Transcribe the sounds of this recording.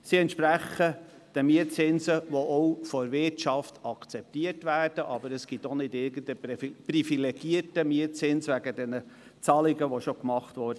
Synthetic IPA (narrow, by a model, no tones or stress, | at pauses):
siɛntʃpɾæχə | d̥əmiətt͡sɪnsəʋɔʔɔwfɔɾvɪtʃɑftʰɑkt͡sɛp̚tiərtvæːrd̥əʔɑbəɾəsɡ̥itonɪdɪɾɡəndəprifilɛɡ̥iətəmiətt͡sɪnsʋæɡədɛnə | t͡sɑlɪɡəʋoʃokmɑχtʋɔɾdə